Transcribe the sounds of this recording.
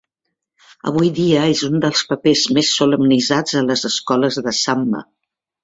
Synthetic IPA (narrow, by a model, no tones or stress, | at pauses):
ə̰β̞ujðiəezund̪əlˠspəpezmesːuləmnizad͡zələzəskɔləzðəsamːə̰